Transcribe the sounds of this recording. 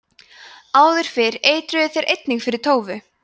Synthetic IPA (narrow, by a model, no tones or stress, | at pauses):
aːwðʏɾ̥fɪɾeːjt̪ɾʏðɪθeɾʔejt̪niŋkfɪɾɪɾ̥t̪ʰoːwvʏ